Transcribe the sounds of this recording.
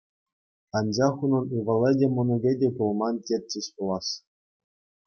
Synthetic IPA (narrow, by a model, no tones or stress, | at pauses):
ɑnd͡ʑɑχunɤ̆nuʋɤ̆lʲedʲemŏnuɡʲedʲekulˠmɑntʲer̚ʲt͡ɕːeɕpulˠɑs